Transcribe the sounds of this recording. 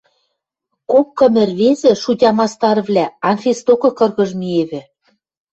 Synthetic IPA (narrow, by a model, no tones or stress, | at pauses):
kop̚kɤ̆mɘ̆rβezɘ̆ʃutʲɑmɑst̪ɑrβlʲæɑnfʲest̪okɤ̆kɤ̆rɣɤ̆ʒmieβɘ̆